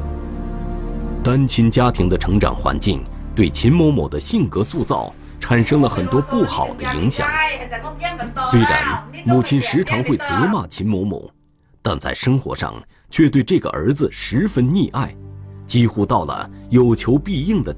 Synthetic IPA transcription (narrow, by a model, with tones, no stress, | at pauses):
t̪a˥nt͡ɕʰi˥nt͡ɕja˥t̪ʰi˧˥ŋd̪ə˧ʈ͡ʂʰɤ˧˥ŋʈ͡ʂɑ̰˨˩ŋxwa̰˧˥nt͡ɕi˥˧ŋ | t̪we˥˩ɪt͡ɕʰi˧˥nmo˧˥ʊmo˨˩d̪ə˦ɕi˥˩nkɤ˧˥su˥˧t͡sɑ̰˥˩ʊ | ʈ͡ʂʰa˨˩nʂɤ˥ŋlə˨xə˨˩nt̪wɔ˥pu˥˩xɑ̰˨˩ʊd̪ə˦i˧˥ŋɕjɑ̰˨˩ŋ | swe˥ɪɻa̰˧˥nmu˥˩t͡ɕʰi˥nʂɻ̩˧˥ʈ͡ʂʰɑ˧˥ŋxwe˥˩ɪt͡sɤ˧˥ma˥˩t͡ɕʰi˧˥nmo˧˥ʊmo̰˨˩˦ʊ | t̪a˥˧nt͡sa̰˥˩ɪʂɤ˥ŋxwɔ̰˧˥ʂɑ̰˥˩ŋ | t͡ɕʰɥɛ˥˧t̪we˥˧ɪʈ͡ʂɤ˥˩ɡə̰˩ʔə̰˞˧˥d͡zɹ̩˧ʂɻ̩˧˥fə˥nni˥˧ʔa˥˩ɪt͡ɕi˥xu˥t̪ɑ˥˩ʊlə̰˩jo˨˩ʊt͡ɕʰjo˧˥ʊpi˥˧i˥˩ŋd̪ə˩